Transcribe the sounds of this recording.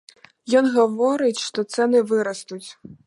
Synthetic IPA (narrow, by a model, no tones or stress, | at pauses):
jɔnɣɐvɔɾɨt͡sʲʂt̪ɔt̪sɛnɨvɨɾɐst̪ut͡sʲ